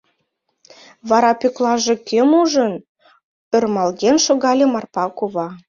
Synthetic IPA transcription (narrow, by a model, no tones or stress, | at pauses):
βɑɾɑpøklɑʒĕkʰømuʒən | ørmɑlɣenʃoɣɑlʲemɑrpɑkoβɑ